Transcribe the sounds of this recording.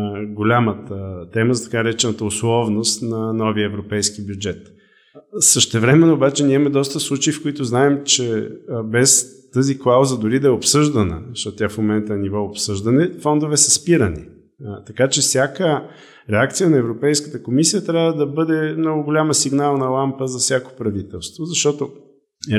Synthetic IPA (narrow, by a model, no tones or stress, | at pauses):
ɡolʲamət̪ət̪ɛməzɐt̪ɐ̥kaɾɛt͡ʃɛnət̪əʊslˠɔvnost̪nɐnɔviəɛvɾopɛjskibjud͡ʒɛt̪ | səʃt̪ɛvɾɛmɛnoːbat͡ʃɛniɛmɛd̪ɔst̪əslˠut͡ʃiifkoit̪ʊznaɛmt͡ʃɛbɛst̪əziklˠauzəd̪ʊɾid̪ɐɛopsɤʒd̪ənə̰ʃt̪ɔt̪ʲafmomɛnt̪ənivɔopsɤʒd̪ɐnɛfɔnd̪ovɛsəspiɾənḭ | t̪ɐkat͡ʃɛfsʲjakə | ɾɛak̚t̪sijənɐɛvɾopɛjskə̥t̪əkomisijət̪ɾʲavvəd̪ɐbɤd̪ɛmnɔɡʊɡolʲaməsiɡnalˠnɐlˠampəzɐfsʲjako̥pɾɐvit̪ɛlˠst̪vozɐʃt̪ɔt̪o